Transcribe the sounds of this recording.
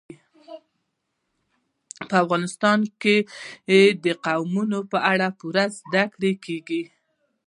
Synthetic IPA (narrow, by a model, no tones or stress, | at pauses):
pəafɣɑnɪst̪ɑnkejed̪əqawmunopəʔaɽapuɾazd̪akɽekeɡi